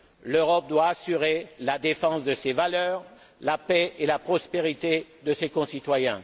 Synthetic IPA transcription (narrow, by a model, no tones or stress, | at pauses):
løʁɔp̚d̪waːsyʁelad̪efɑ̃sd̪əsevalœːʁ | lapɛʔelapχɔspeʁit̪ed̪əsekɔ̃sit̪wajɛ̃